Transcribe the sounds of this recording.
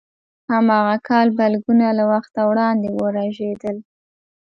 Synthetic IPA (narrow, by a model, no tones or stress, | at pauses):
hamɑɣakʰɑlbalɡunalawaxt̪awɽɑnd̪ewəɾaʒed̪əl